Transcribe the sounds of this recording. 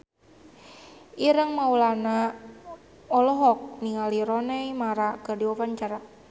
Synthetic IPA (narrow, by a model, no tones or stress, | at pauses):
ʔiɾəŋmaulana | ɔlɔɦɔk̚niŋaliɾɔnɛjmaɾakərdiwapaɲt͡ʃaɾa